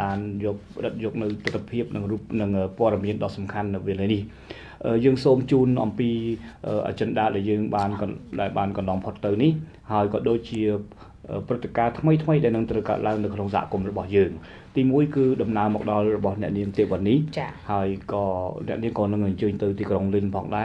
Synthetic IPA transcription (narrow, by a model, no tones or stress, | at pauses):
ɓaːnjɔːk̚pəɗət̪̚jɔːk̚nɨwt̪ɨt̪ʰːapʰiəp̚nɨŋruːp̚nɨŋʔəːpoəɗɑmiənɗɑːsɑmkʰanːɨwʋeːələːnih | ʔəːjəːŋsoːmt͡ɕuːnʔɑ̰mpiːʔəːʔa̰t͡ɕənɗaːəlɗaɛljəːŋɓaːnɗaɛlɓaːnkɑnlɑmpʰot̪ːɨwnih | haəjkɑːɗoːc̚t͡ɕiə | ʔəːprɨt̪ːekaːt̪ʰməjt̪ʰməjɗaɛlnɨŋt̪rəwka̰ət̪̚laəŋnɨwkʰnoŋsaɦa̰kumrɔɓɑhjəːŋ | t̪iːmuəjkɨːɗɑmnaəmɔːk̚ɗɑlrɔɓɑhnɛ̆əʔniəŋt̪iəʋanːiht͡ɕːhaəjkɑːnɛ̆əʔniəŋkɑːnɨŋʔaɲt͡ɕəːɲt̪ɨwt̪iːkroŋlinpʰɑ̰ːŋɗaɛ